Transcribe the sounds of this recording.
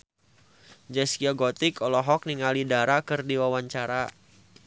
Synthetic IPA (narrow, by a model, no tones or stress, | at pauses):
d͡ʒɛskiɔɡɔt̪ikɔlɔɦɔk̚niŋalidaɾakɨrdiwawaɲt͡ʃaɾa